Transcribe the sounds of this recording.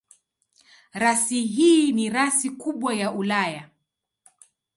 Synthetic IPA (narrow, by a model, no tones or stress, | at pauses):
ɾasiɦiːniɾasikuɓwajaʔulaja